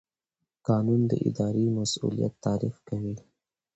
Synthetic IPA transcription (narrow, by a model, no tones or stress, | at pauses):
kɑnund̪ə̰ʔɪ̰d̪ɑɾemasṵlija̰t̪ːɑːɾifkawi